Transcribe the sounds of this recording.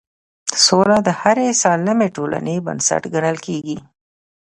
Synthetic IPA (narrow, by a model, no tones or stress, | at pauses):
solad̪əhaɾesɑləmeʈola̰nebə̰nsa̰ʈɡaɳəlkeɡi